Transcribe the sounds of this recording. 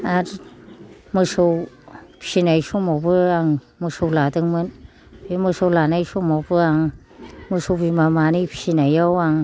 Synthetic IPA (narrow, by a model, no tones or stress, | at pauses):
aɾ | mɯsowpʰi̥sinajsomobɯaŋ | mɯsowladɯŋmɯn | beməsowlanajsomobɯaŋ | məsowbimamanipʰi̥sinajawaŋ